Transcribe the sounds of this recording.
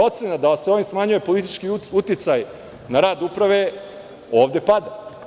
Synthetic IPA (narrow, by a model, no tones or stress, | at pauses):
o̞t̪senad̪aseo̞ʋimsmaɲujepo̞lit̪it͡ʃkiut̪it̪saj | naɾaːd̪upɾaʋe | o̞ːʋd̪e̞pad̪a